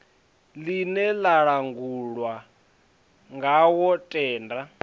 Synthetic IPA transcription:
linɛlaɺaŋɡuɺwa | ŋɡawɔtʼɛːnda

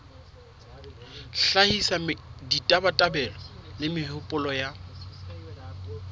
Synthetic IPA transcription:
ɬahisamɪditʼabatʼabɛlɔlɪmɪhʊpʼʊlɔja

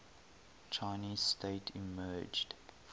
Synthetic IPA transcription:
t͡ʃʰaɪniːz̥stʰeɪtʰimɜːd͡ʒd

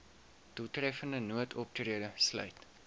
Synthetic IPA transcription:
tutrɛfəndənuətʰɔp̚triədəslœ̰ɥt

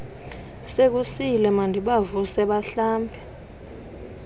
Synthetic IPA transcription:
sek̬usilɛmandʱiɓavusɛɓaɬaːmpʰɛ

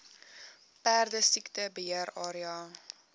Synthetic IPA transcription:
pæːrdəsiktəbəɦiəɾɑːɾiɑː

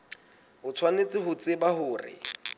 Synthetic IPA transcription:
hʊt͡sʰwanet͡sʼɪɦʊt͡sɪbahʊːrɪ̰

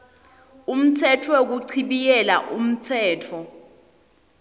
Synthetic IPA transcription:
um̩tʰɛtʰwek̬uǀʰiɓikɛla̰ʔum̩t͡sʰɛːtʰɔ

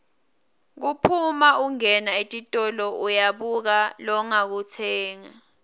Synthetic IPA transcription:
k̬upʰumauŋɛnaetʼitʼɔlɔujaɓuk̬alɔŋak̬utʰɛːŋa

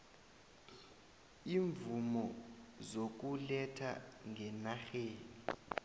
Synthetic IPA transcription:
iːɱvumɔzok̬ulɛtʰa̰ŋʱɛnaxeːni

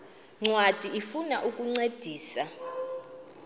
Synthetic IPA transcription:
ŋ͡ǀwad̥ʱiifunaʔukʼuŋ͡ǀed̥ʱiːsa

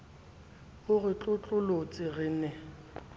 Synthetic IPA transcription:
ʊɣɪt͡ɬʼʊt͡ɬʼʊlot͡sʼɪɣɪːnɛ

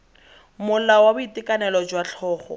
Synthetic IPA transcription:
mʊlawabʊitɪkʼanɛlɔd͡ʒwaɬʰɔːχɔ̰

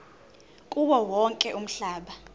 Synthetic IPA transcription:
kʼuɓɔwɔŋkʼɛʔum̩ɬaːɓa

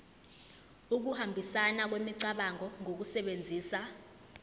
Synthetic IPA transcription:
uk̬uhambʱisanak̬wemiǀaɓaŋʱɔŋʱok̬usɛɓend͡zʱiːsa

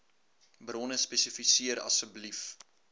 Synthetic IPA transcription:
bɾɔnəspɛsəfisiəɾɐ̰sfəblif

